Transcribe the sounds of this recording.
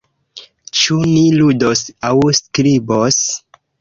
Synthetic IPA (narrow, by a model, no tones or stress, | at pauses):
t͡ʃumiludosawskɾibos